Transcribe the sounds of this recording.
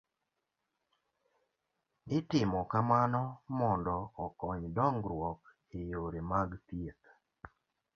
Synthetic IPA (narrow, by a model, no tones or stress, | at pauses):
ɪtɪmɔkamanɔmɔndɔːkɔɲdɔŋɡɾwɔk | ejoɾemaɡt̪jet̪